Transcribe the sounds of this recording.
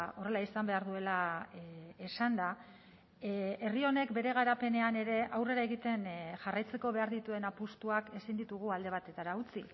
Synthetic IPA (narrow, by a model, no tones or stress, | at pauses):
o̞re̞laisambe̞aɾðue̞la | esand̪a | e̞rio̞ne̞kbe̞ɾe̞ɣ̞aɾape̞ne̞ane̞ɾe̞ʔawre̞ɾaeɣit̪e̞nʝarajt͡se̞ko̞βe̞aɾðit̪ue̞napust̪uake̞sind̪it̪uɣ̞uald̪e̞β̞at̪e̞t̪aɾaut͡si